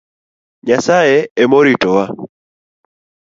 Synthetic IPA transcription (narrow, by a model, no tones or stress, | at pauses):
ɲasaɛɛmɔɾitɔwa